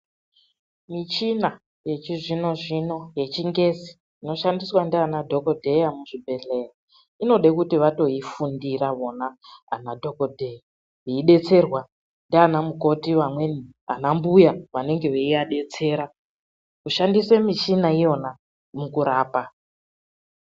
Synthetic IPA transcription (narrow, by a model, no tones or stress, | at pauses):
mit͡ʃina | je̞t͡ʃiʐino̞ʐino̞je̞t͡ʃiŋɡe̞zi̥ː | no̞ʃandiswandianadʱo̞ko̞dʱe̞jamuʐibʱe̞ɮe̞ja | ino̞ɗekutiʋato̞ifundiɾaʋo̞na̰ːnadʱo̞ko̞dʱeja | ʋeiɗe̞t͡se̞rwa | ndianamuko̞tiʋamweni | a̰nambujaʋane̞ŋɡe̞ʋeiaɗe̞t͡se̞ːɾa | kuʃandiswe̞mit͡ʃinaijo̞na | mukuɾaːpa